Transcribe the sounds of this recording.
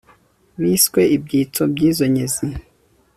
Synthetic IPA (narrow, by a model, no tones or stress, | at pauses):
βiːskwe̞ʔibɟiːt͡sobɟiːzo̞ɲezi